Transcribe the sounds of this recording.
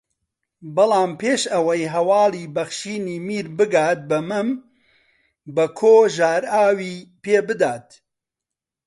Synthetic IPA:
bɨlˠɑːmpeːʃɐwɐjɦɐwɑːlˠiːbɐxʃiːniːmiːɾbɨɡaːt̪̚bɐmɨm | bɐkʰoːʒaːɾaːwiːpeːbɨd̪aːt̪̚

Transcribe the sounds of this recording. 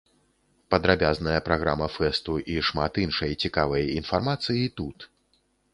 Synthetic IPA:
pɐd̪ɾabʲaznɐjɐpɾaɣɾa̰mɐfɛst̪uʔiʂmat̪inʂɐjɐt͡sʲikavɐjɐinfarmat̪sɨjit̪ut̪

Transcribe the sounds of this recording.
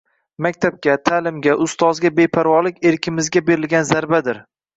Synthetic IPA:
makʲt̪ʰap̚kʲat̪ʰalɪmɡʲaʔʊst̪ɒzɡʲabe̞jpʰaɾvɒlɪkʲe̞ɾkʲʰɪmɪzɡʲabe̞ɾɪlɡʲanzaɾbad̪ɪɾ

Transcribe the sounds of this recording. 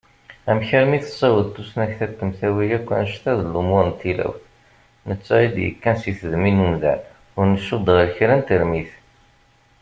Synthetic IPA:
æmçəɾmiθə̥sˤːɑwəðt̪ːusnæçθæt̪ːəmθæwijækʷːænəʃt̪æðlumʊɾˤnt̪ilæ̰wθ | nət͡sːæid̪jə̰kːænsiθəðminunðæ̰n | ʊɾnəʃːud̪ʁɾçɾænt̪əɾmiθ

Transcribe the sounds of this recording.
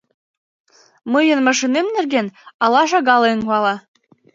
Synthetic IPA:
mɤjə̆nmɑʃinemnɘ̆rɡʲenɑlˠɑʃɑɡɑlˠenkɑlˠɑ

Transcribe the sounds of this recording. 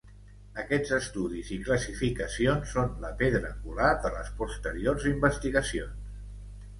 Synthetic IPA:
əkɛd͡zəst̪uðizikləsifikəsionsːonləpeðɾəːŋɡulaɾðələspust̪əɾiorzimbəst̪iɣəsions

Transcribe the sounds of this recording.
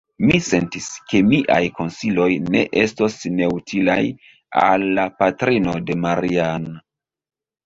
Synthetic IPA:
mise̞ntiske̞miʔa̰jko̞nsilo̞jne̞̰ʔe̞stosne̞utʰila̰j | a̰lːapatɾino̞de̞maɾian

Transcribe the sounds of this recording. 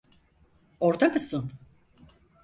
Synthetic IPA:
oɾd̪amɯsɯn

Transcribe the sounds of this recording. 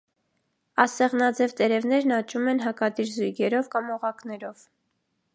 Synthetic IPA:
ɑsɛʁnɑd͡zɛvt͡s̪ɛɾɛvnɛɾnɑt͡ʃʰumɛnɦɑkɑd̪iɾzujɡɛɾɔvkɑmɔʁɑknɛɾɔv

